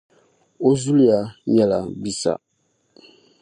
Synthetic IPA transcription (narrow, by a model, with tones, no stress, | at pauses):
o˦zu˦li˦ja˨ɲɛ˦la˨bi˦sa̰˨